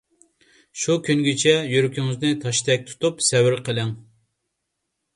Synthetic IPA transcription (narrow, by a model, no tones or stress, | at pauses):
ʃukʲʰynɡʲit͡ʃʰɛjyɾykʲʰyŋɪznɪt̪ʰɑʃt̪ʰɛk̚ʲt̪ʰu̥t̪upsɛwɪɾqʰəlɪŋ